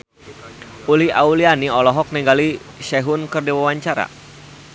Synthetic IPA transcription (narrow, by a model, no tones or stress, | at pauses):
uliaulianiɔlɔɦɔk̚nɛŋɡali | ʃɛɦʊnkərdiwawaɲt͡ʃaɾa̰